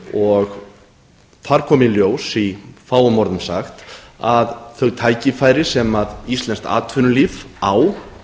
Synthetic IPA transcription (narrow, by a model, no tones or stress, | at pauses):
ɔɣ | θaɾ̥kʰɔːmiljoːwsifaːwamɔɾðʏmsa̰xt̪aðθœɣt̪ʰaːjcɪfaːjɾɪsɛmaðist̪lɛnst̪a̰ːt̪ʰfʏnʏliːvaw